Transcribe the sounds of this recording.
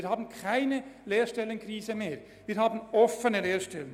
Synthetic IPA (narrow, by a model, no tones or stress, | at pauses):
ɾhɑːbn̩kʰæɪnəleːɾʃtɛlənkʰɾiːsəmeːɾ | ʋɪːɾhɑːbn̩ɔfənəleːɾʃtɛlən